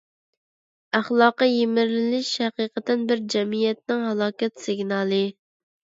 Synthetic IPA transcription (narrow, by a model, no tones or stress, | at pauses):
æχlˠɑːqɑjemɪɾlɪlɪʃhæqiːqət̪ɪnbɪɾd͡ʒɛmijɛt̪̚nɪŋhɑlˠɑːkʲɛt̪sɪɡʲnɑːlˠɨ